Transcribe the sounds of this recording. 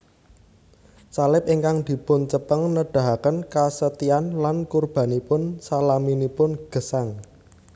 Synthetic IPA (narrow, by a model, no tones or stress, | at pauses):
salɪp̚ʔiŋkaŋd̪̥i̤pʊnt͡ʃəpəŋnəɖ̥a̤ɦakənkasət̪ianlankurb̥a̤nipʊnsalaminipʊnɡ̥ə̤saŋ